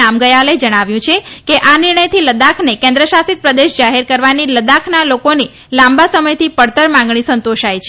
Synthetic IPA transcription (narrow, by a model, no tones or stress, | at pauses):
amɡəjaled͡ʒəɽ̃aʋjũt͡ʃʰekeʔanɪɾɳəjt̪ʰiləd̪akʰnekẽnd̪ɾəʃasit̪̚pɾəd̪eʃd͡ʒaɦeɾkəɾʋaniləd̪akʰnalokoni | lãmbasəməjt̪ʰipəɽt̪əɾmãŋɡɳ̃isənt̪oʃajt͡ʃʰ